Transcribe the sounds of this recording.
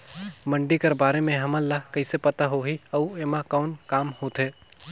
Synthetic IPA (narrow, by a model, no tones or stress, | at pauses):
mɐ̃ɳɖikɐɾbaːɾemẽɦɐmə̃lːakɐisepɐt̪aɦoɦiɐueːmãkɔːnkaːmhoːt̪ʰɦeː